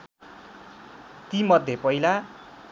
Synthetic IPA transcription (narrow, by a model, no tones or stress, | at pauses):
t̪imʌd̪ʱjepʌila